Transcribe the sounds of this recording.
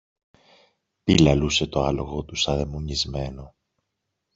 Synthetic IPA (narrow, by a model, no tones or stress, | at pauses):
pilɐluse̞t̪o̞ɐlo̞ɣo̞t̪usɐðe̞muɲizme̞no̞